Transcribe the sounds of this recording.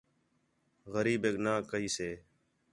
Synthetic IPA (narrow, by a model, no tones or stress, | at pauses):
ɣəɾiːbeːknaːkəɦiːseː